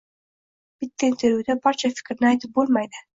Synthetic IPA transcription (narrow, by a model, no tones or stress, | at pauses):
b̥ɪt̪ʰːaɪnt̪ʰeɾjiud̪abɒɾt͡ʃʰafɪ̥kʲɾɪnɪajt̪ʰɪp̚bolˠmajd̪ɪ